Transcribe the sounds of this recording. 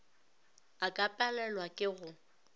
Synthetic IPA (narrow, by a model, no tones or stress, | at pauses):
akʼapʼalɛlwakʼɪɣʊ